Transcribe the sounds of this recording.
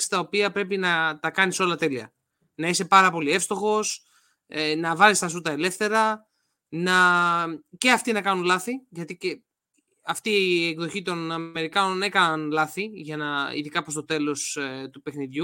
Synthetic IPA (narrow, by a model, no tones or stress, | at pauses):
si̥t̪ɐo̞piɐpɾe̞pinɐt̪ɐkɐniso̞lɐt̪e̞liɐ̰ | nɐise̞pɐɾɐpo̞lie̞fst̪o̞xo̞s | enɐvɐlist̪ɐsut̪ɐe̞le̞fθe̞ɾɐ | nɐ | ce̞ɐft̪inɐkɐnunlɐθiʝɐt̪ice | ɐft̪iekðo̞çit̪o̞nɐe̞ɾikɐno̞ne̞kɐnɐnlɐθiʝɐnɐḭðikɐpɾost̪o̞t̪e̞lo̞st̪upe̞xniðʝu